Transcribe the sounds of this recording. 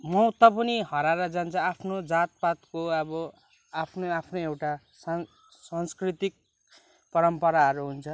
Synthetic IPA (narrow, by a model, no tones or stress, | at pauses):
mʌt̪ʌpʌniɦʌɾaɾʌd͡zant͡sʰʌapʰnod͡zat̪̚pat̪koʌbʌ | apʰnoapʰnoewʈa | sa | sanskrit̪ik̚ | pʌɾʌmpʌɾaɦʌɾuɦunt͡sʰʌ